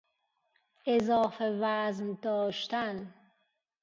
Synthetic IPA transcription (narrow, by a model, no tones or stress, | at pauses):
ʔezɒːfevæznd̪ɒːʃt̪æn